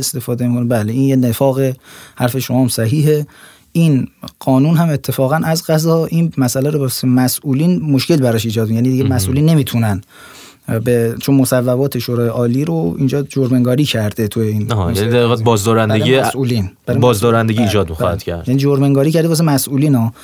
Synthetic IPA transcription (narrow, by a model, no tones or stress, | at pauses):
est̪e̞fɒːd̪emikʰonebæleiːnjenefɒːɣehæɾfe̞ʃomɒːmsæɦiːɦe̞ | ʔiːnɢ̥ɒːnuːnɦæme̞t̪ʰːe̞fɒːɣænʔæzɡæzɒʔinmæsælæɾobsemæsʔuːliːnmoʃke̞lbæɾɒʃiːd͡ʒɒːd̪mijænid̪iɟemæsʔuːlinːe̞miːt̪ʰunæn | bet͡ʃʰonmosævːæbɒːt̪ʰe̞ʃoɾɒːjeʔɒːliːɾoḭːnd͡ʒɒːd͡ʒoɾmeŋɡɒːɾiːcʰæɾd̪e̞t̪ʰujeiːnjnid̪æɾʁiɣæd̪̚bɒːzd̪ɒːɾænd̪eɡiæsʔuːliːnb̥æɾɒːzd̪ɒːɾænd̪eɡiːd͡ʒɒːd̪̚mixɒ̰hæ̰d̪̥kʰæ̰ɾd̪jæːniːd͡ʒoɾmeŋɡɒːɾiːcʰæɾd̪eɒːs̬emæsʔuːliːnɒː